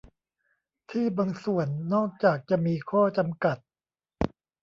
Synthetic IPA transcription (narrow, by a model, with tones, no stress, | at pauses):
t̪ʰiː˥˩baː˧ŋsu˨˩ənːɔː˥˩k̚t͡ɕaː˨˩k̚t͡ɕa˨˩miː˧kʰɔː˥˩t͡ɕa˧mka˨˩t̪̚